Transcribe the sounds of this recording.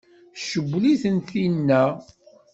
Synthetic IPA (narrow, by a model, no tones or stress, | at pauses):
ʃəbʷːliθənt̪inːæ